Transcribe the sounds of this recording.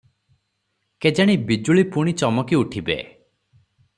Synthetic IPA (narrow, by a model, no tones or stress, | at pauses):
ked͡ʒaɽ̃ibid͡ʒuɭipuɽ̃it͡ʃɔmɔkiuʈʰibḛ